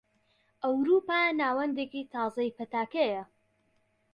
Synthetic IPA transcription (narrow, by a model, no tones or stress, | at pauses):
ʔɐwɾuːpanaːwɐnd̪eːkit̪ʰɑːzɐjpɐt̪aːkɐjɐ